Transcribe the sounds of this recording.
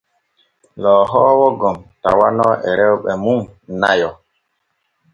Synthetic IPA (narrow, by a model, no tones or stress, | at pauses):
lɔːɦɔːwɔɡɔmta̰wanɔːʔɛɾɛwɓɛmuŋnajɔ